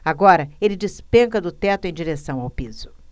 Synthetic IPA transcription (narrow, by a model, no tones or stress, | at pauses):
aɡɔɾɐelɪd͡ʒɪspẽŋkɐd̪ʊt̪ɛt̪ʊẽj̃d͡ʒiɾesɐ̃w̃awpizʊ